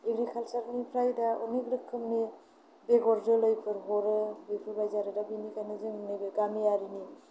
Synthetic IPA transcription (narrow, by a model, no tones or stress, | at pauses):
iɡɾikʰalsaɾnipʰɾajdaɔ̰niɡɾɯkʰːɯmni | beɡɔɾdɯlɯjpʰɯɾɦɔɾɯlɯjpʰɯɾbajzaɾɯdabinikʰajnɯzɯŋɯniɡɯɡamiaɾini